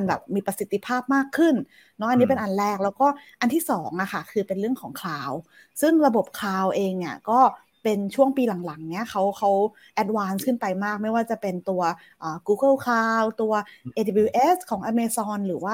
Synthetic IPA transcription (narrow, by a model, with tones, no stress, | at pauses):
ʔa˧nbɛ̰ː˨˩p̚miː˧pɾa˧si˨˦t̪ːi˧pʰaː˥˩p̚maː˥˩kʰːɯ˥˩n | nɔ˦˥ʔa˧nːiː˦˥p̬e˧nʔa˨˩nɾɛː˥˩k̚lɛː˦˥wkɔː˥˩ʔa˧nt̪ʰiː˥˩sɔː˩˦ŋʔa˨˩kʰa˥˩kʰɯː˧pe˧nɾɯ˥˩əŋkʰɔː˩˦ŋkʰlaː˧w | sɯ˥˩ŋɾa˧bo˨˩p̚kʰlaː˧wʔeː˧ŋni˥˩əkɔː˥˩ | pe˧nt͡ɕʰu˥˩əŋpiː˧la˨˩˦ŋla˩˦ŋni˦˥ɐkʰa˦˥wkʰa˦˥w | ʔɛ˦˥t̪̚waː˧nskʰɯ˥˩npa˧jmaː˥˩k̚ma˥˩jwaː˥˩t͡ɕa˨˩pe˧nt̪u˧ɐ | ʔəː˨˩kuː˧ɡɤ˥˩wkʰlaː˧wt̪u˧ɐʔeː˧di˧biː˧ʔe˦˥skʰɔː˩˦ŋʔaː˧meː˧sɔː˧nɾɯː˩˦waː˥˩